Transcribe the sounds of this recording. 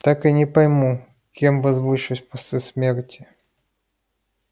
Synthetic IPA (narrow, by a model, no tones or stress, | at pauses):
t̪akɨnʲɪpɐjmu | kʲemvɐzvɨʂʊsʲpɔsʲlʲismʲertʲʰɪ̥